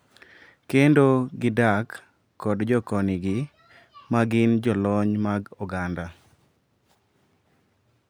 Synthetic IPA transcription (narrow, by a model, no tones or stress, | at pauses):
kendoɡɪdakː | ɔdd͡ʒɔkɔnɪɡɪ | maɡɪnd͡ʒɔlɔɲmaɡɔɡanda